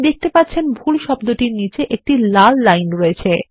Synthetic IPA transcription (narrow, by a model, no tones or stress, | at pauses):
d̪ek̚ʰt̪epat̪ːɕʰenbʱulʃɔb̚d̪oʈiɾnit͡ɕeʔek̚ʈilalːajnɾoet͡ɕʰe